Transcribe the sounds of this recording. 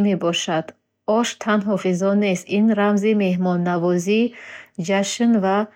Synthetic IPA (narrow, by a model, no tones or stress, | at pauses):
mebɔʃad̪̥ | ɔʃt̪ʰanɦɔfizɔne̞st̪inɾamzime̞hmɔnːavɔzid͡ʒaʃnva